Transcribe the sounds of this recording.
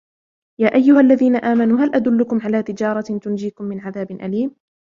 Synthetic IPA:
jaːʔajːʊhalːaðiːnaʔaːmanuːɦalʔad̪ʊlːʊkʊmʕalaːt̪ɪd͡ʒɑːɾˤɑt̪ʊnd͡ʒiːkʊmːɪnʕaðaːbnʔa̰liːm

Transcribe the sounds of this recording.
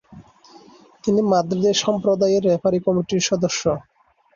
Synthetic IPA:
t̪inimad̪ɾid̪eʃɔmpɾod̪ajeɾːɛpʰaɾikɔmiʈiɾʃɔd̪oʃːo

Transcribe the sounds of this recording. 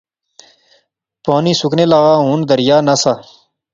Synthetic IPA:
poːniːsukneːlaːɣaːɦuːnd̪əɾjaːnasaː

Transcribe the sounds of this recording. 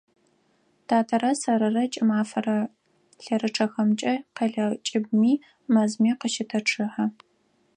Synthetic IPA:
tʰaːtʰɐɾɐsɐɾɨrɐt͡ʃʼɪmaːfɐrɐ | ɬɐɾɨʈ͡ʂʰɐxɐmt͡ʃʼɐqɐɮɐt͡ʃʼɪbmiː | mɐzmiːqəʃɪtʰɐʈ͡ʂʰɨħɐ

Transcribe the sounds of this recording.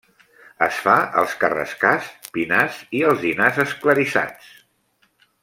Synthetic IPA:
əsfaə̰lˠskərə̰skaspinaziəlˠzðinazəskləɾisa̰t͡s

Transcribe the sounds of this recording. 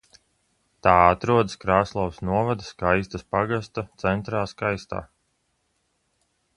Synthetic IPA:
t̪aːat̪ɾuɔd̪ɨskɾaːslˠawsnuɔvad̪askajst̪aspaɡast̪at̪sɛnt̪ɾaːskajst̪a̰ː

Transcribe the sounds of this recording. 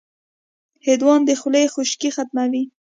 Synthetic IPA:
hed̪wɑnd̪əxʊlejxʊʃkixat̪̚mawi

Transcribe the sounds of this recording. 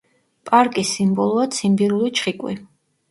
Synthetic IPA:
pʼaɾkʼisimbɔlˠɔat̪sʰimbiɾulit͡ʃʰχikʼwḭ

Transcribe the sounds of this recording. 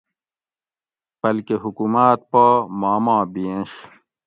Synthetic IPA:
b̥ɐlkeɦukumaːt̪̚pamaːmãːbiẽɕ

